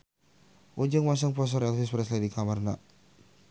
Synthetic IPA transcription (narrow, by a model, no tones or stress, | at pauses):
ʔod͡ʒəŋmas̬əŋpas̬aɾɛlfɪspɾɛsladikamarna̰ʔ